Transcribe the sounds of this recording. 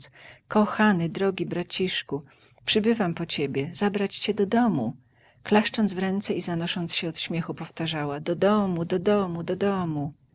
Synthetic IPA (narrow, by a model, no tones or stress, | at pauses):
skɔxanɘd̪ɾɔɡʲibɾat͡ɕiʂku | pʂɘbɘvampɔt͡ɕebʲjɛzabɾat͡ɕt͡ɕɛd̪ɔd̪ɔmu | klaʂt͡ʂɔndzvɾɛnt̪sɛizanɔʂɔntsɕɛɔt̪ɕmʲjɛxupɔft̪aʐawad̪ɔd̪ɔmud̪ɔd̪ɔmud̪ɔd̪ɔmu